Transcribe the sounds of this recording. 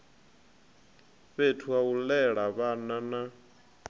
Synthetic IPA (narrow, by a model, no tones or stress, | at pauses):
βetʰuaulɛɺaβanana